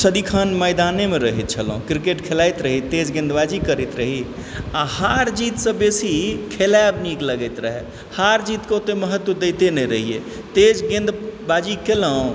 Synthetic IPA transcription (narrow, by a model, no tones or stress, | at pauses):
səd̪ikʰənməjd̪anemeɾəɦit̪̚t͡ʃʰəlɦũkɾikeʈkʰelajt̪ɾəɦit̪ed͡ʒɡẽnd̪bad͡ʒikəɾit̪ɾəɦi | ahaɾd͡ʒit̪sə̃besikʰelabnikləɡəjt̪ɾəɦḛ | haɾd͡ʒit̪ket̪eməɦət̪wəd̪ejt̪enɛɾəɦiḛ | t̪ed͡ʒɡẽnd̪bad͡ʒikeləɦũ